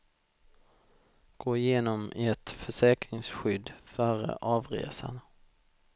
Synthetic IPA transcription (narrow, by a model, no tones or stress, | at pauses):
ɡ̥oːɪjeːnɔmɛt̪fœʂɛːkɾɪŋsɧʏd̪ːfœːɾə̰ʔɑːvɾḛːsa̰n